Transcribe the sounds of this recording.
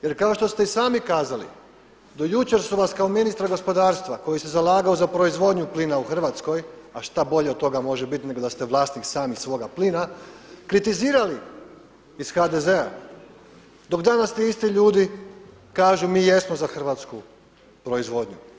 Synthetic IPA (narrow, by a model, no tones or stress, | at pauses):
je̞ɾkao̞ʃt̪o̞st̪eisaːmikaːzalḭ | d̪ojut͡ɕe̞ɾsuʋaskaominist̪ɾaɡo̞spo̞d̪aːɾst̪ʋako̞jist̪ezalaːɡaozapɾo̞izʋo̞d̪ɲupliːnauxr̩ʋaːt̪sko̞jaʃt̪abo̞ʎet̪ːo̞ɡamo̞ʒebit̪ne̞ɡod̪ast̪eʋlˠaːst̪niksaːmixsʋo̞ɡapliːnakɾit̪iziːɾali | isxad̪ezea̰ | d̪o̞kd̪anast̪iist̪iʎuːd̪i | kaːʒumiːje̞smozaxr̩ʋat̪sku | pɾo̞izʋo̞d̪ɲu